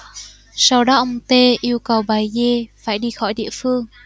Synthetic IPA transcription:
sa˧wɗɔ˨˦ʔə˧wŋ͡mt̪e˧ʔi˧əwkə˨˩wɓaː˨˩jze˧faː˧˩jɗi˧xɔ˧˩jɗḭ˧˨əfɨ˧əŋ

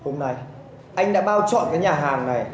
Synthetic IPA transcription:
ho˧mna˧j | ʔa˧jŋ̟ɗa̰ː˧˥ɓaː˧wt͡ɕɔ̰˧˨nkaː˨˦jɲaː˨˩ɦaː˨˩ŋna˨˩j

